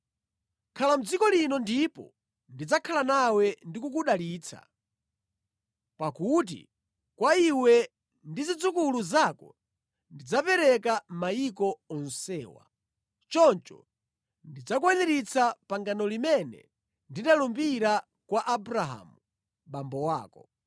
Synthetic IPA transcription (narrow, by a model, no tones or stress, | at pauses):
kʰalam̩d͡zikɔlinɔndipɔ̰ | ndid͡zakʰalanawɛndikukuɗaliːt͡sʰa̰ | pakut̬ḭ | kwaiwɛ | ndizid͡zukuluzakɔ | ndid͡zapɛɾɛkamaikɔɔn̩sɛ̰ːwa̰ | t͡ʃɔnt͡ʃɔ̰ | ndid͡zak̬wɛnɛɾit͡sʰapaŋɡanɔlimɛnɛ̰ | ndinalumbiɾa | kwaʔabuɾaɦa̰ːmu | ɓambɔwaːkɔ̰